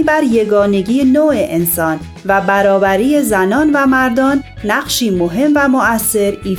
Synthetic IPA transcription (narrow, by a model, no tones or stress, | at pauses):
bæɾje̞ɡɒːne̞ɟiːenoːʔeʔensɒːn | væbæɾɒːbæɾiːezænɒːnvæmæɾd̪ɒːnː | æɢʃiːmoɦe̞mvæmoæsːe̞ɾiː